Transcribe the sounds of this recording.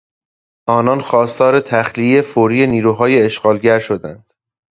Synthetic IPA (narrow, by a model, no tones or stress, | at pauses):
ʔɒːnɒnxɒːst̪ʰɒːɾe̞t̪ʰæxliefoːɾiːjeniːɾuːɦɒːjeeʃɢɒːlɟæɾʃo̞d̪ænd̪̥